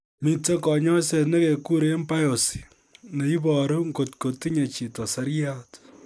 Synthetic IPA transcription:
mi˨te˦kɔ˨ɲɔ˦se˦˨ne˦ke˨ku˦ɾe˦mpa˦jo˨si̥˨ | ne˨i˦bɔ˨ɾu˦ŋɡo˨tko˨ti˦ɲe˨t͡ʃi˨tɔ˨sa˦ɾja˦t

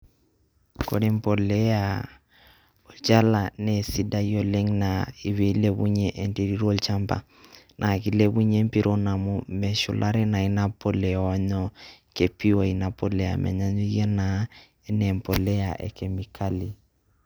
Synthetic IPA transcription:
ko̰˨ɾi˦mpo˨le˦a˨ | o˨lt͡ʃa˦la˨ne˨si˦da˦jo˨le˦ŋnai˨βe˨˦le˦βu˦ɲe˦ʔe˨nte˦ɾi˦ɾo˦˨lt͡ʃa˦mpa̰˨ | nʔa˨ki˨le˦βu˦ɲe˦mpi˦ɾʔo˦na˨mu˦mɛ˨ʃṵ˨lʔa˦ɾɛ˦na˨i˨na˦po˦lɛ˨ɔ˦ɲɔ˦ke˨pi˦wa˨i˨na˨po˦le˨a̰˨mʔɛ̰˨ɲa˦ɲu˦je˦na˨ | e˦nɛ˨mpo˨le˦a˨ʔɛ̰˨ke˨mi˨kʰa˦li˨

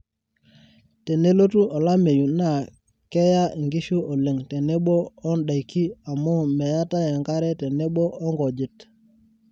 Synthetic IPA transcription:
te˨ne˦lo˦tu˦ʔɔ˨la˦me˨ju˨na˦˨ | kɛ˦ja˦ʔi˨ŋɡi˦ʃu˦ʔɔ˨le˨ŋte˨ne˦ɓoː˦nɗa˨i˨kːi˦a˨mɔ˦mɛ˨ja˦ta˦je˨ŋɡa˦ɾɛ˦tɛ˨ne˦ɓo˦ʔɔ˦ŋɡɔ˨d͡ʒɪ˨t

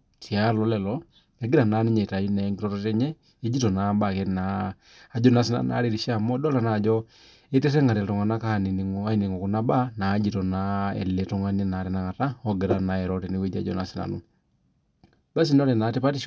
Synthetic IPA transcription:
ti˨a˦lɔ˨˦lɛ˨lɔ˦ | ɛ˨˦ɡɪ˦ɾa˨na˨˦nɪ˦ɲɛ˨ta˨ji˦nɛ˨˦ŋɡi˦ɾɔ˦tɔ˦tɛ˦ɲɛ˦ | e˦d͡ʒi˦tɔ˨na˨˦ba˨kɛ˦na˨ | a˨d͡ʒɔ˦na˨s̬i˦na̰˨na̰˨˦ɾe˨ɾi˨ʃa˦˨mɔ˦dɔ˦la˨na˨d͡ʒɔ˦ | e˦tɛ˦tɛ˦ŋa˨tɛ˨ltɔ˨ŋa˨na˦ka˦˨ni˨n˨a˦i˨ni˨ŋɔ˨ku˨na˦ba˦na˨˦d͡ʒi˨tɔ˨na˦ɛ̰˨lɛ˨tɔ˨ŋa˨˦nɛ˦na˨ɾɛ˨na˦ŋa˨ta˦ɔ˦ɡɪ˨ɾa˨na˨˦ɛ˨ɾɔ˦tɛ˨ni˦we˦d͡ʒa̰˨˦d͡ʒɔ̰˨na̰˨si˨na̰˨nu˦ | ba˦s̬i˨n˦ɔ˦ɾɛ˨na˨˦te˦pa˦ti˦ʃ

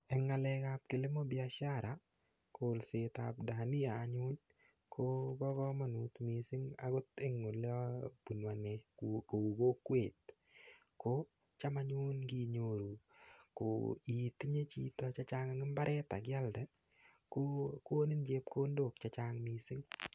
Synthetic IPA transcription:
ɛ˨ŋa˨lɛkap̚kɪ˨lɪ˦mɔ˦biaʃa˦ɾa˨ | kʰo˨lse˨ta̰p̚da˨ni˦aː˨ɲu˦n | kʰo˦bɔ˦kɔ˦ma˨nu˨tmisɪ˦ŋa̰kʊ˦tɪ˦ŋːo˨lpu˨nwa˨nɛkuko˨u˨ɡo˦kwe˨t̚ | ko | t͡ʃa˦ma˦ɲu˦nɡi˦ɲo˨ɾu˨ko̰˨i˨tɪ˦ɲe˦t͡ʃi˦tɔ˧t͡ʃa˦t͡ʃa˦ŋa˨ŋɪ˦mba˦ɾʔɛ˦ta˨ɡɪ˦a˦ldɛ˦ | koko˦nɪ˦nd͡ʒe˦p̚kʰo˦ndok̚t͡ʃat͡ʃaŋmi˨sɪ˦ŋ

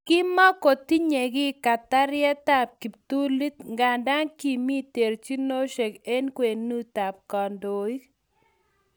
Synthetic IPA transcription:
kɪ˦ma˦ko˨ti˦ɲe˨ɡɪ˦ka˨t̪a˦ɾjɛ˦t̪a˦˨p̚ki˨pt̪u˦li˦t̪ŋɡa˨nda˦ŋki˨mi˦t̪e˨ɾt͡ʃi˦no˦ʃe˨ke˦nkwe˨nu˦t̪a˨p̚kɔ˨ndo˨i˦k

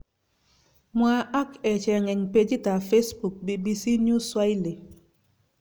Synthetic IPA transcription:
mwa˦ʔa˦kɛ˨t͡ʃɛ˨ŋɛ˨ŋpe˦d͡ʒi˦ta˨fe˦sbu˨k̚bi˨bi˦si˦nju˦swa˦ɪ˦li˨

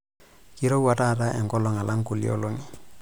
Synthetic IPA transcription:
ki˦ɾo˦wa˨ta˦ta˦ʔɛ˨ŋkɔ˦lɔ˨ŋa˨la˦ŋku˨lḭo̰˦lo˦ŋi˨

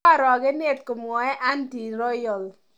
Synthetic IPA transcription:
a˦ɾɔ˨ɡɛ˦ne˦˨t̚ko˨mŋɔ˨ɛ˦ʔa˦nti˨ɾɔ˦jɔ˨l

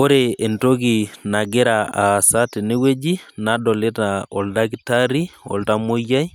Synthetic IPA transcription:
o˦ɾee˨nto˦ɣi˨na˨ɡe˦ɾaa˨sate˨ne˦we˦d͡ʒi˦nadɔ˨le˦taɔ̰˨ldakita˦ɾi˦ɔ̰˨lta˦mo˦ja˦i˦

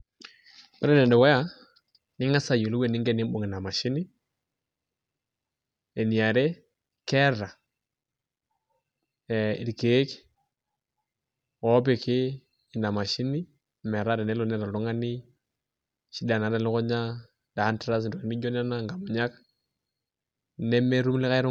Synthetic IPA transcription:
kɔ˦ɾɛ˦nɛ˨ndɛ˨wa˦ja˦˨ | nɪ˦ŋa˦sa˨jo˨lu˦we˨nɪ˦ŋɡɛ˦nɪ˦mɓo˨ŋɪ˨na˨ma˨ʃi˦nɪ˦ | e˨ni˨a˨ɾe˦ | kɛ˦ɾa˨ | ɛ˨i˨ɾke˦k | ɔ˦p̬ɪ˨kɪː˦˨ | na˨ma˨ʃi˦ni˦ | mɛ˨ɾa˦ɾɛ˨nɛ˦lɔ˨nɛ˦ɾa˨ɾɔ˦ŋa˦ni˦ | ʃi˦da˨na˨ɾa˦lɪ˦kɔ˦ɲa˦ | da˨˦ntɾa˦s̬ndɔ˨ke˨ni˦d͡ʒɔ˦n˦a˦na˦ŋɡa˨mɔ˨ɲa˦k | nɛ˦me˦ɾu˦mlɪ˦ka˦ɪ˦ɾʊ˦

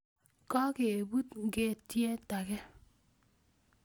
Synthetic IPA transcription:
kɔ˦ke˨bu˦tŋ̩˦ke˦˨tje˦ta˨ke˦

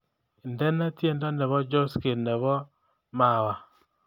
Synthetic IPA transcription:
ndɛ˦nɛ˦tje˦˨ndɔ˦nɛ˨βɔ˦d͡ʒɔ˦ske˨nɛ˨βɔ˦ | ma˨wa˨

